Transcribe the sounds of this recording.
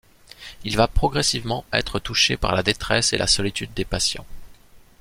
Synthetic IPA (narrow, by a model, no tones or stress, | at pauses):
ilvapχɔɡʁɛsivmɑ̃ɛ̰t̪χət̪uʃepa̰ʁlad̪et̪χɛsḛlʔa̰sɔlit̪yd̪ːepasjɑ̰̃